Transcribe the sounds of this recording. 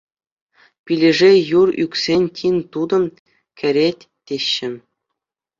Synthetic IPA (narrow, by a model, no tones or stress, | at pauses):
pʲilʲɘ̆ʐejurykʲsʲenʲtʲʰinʲt̪ud̪ɤ̆m | kʲɘ̆ɾʲetʲ | tʲːeɕːɘ̆